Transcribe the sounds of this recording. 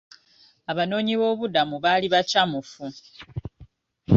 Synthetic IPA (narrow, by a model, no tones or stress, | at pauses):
aβano̞ːɲiβo̞ːβudamuβaliβacamufu